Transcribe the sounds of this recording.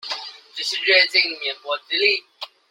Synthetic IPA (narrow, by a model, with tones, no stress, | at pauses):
ʈ͡ʂə˥˧ʂɻ̩˥˧ɻɛ˥˧t͡ɕi˥˩ŋ˨mjɛ˧˥nkwɔ˧˥t͡s̩˥li˥˩